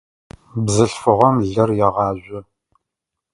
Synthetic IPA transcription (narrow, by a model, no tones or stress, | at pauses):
bzɨɬfɨʁɔmɮɨrjɛʁɑːʑʷʊ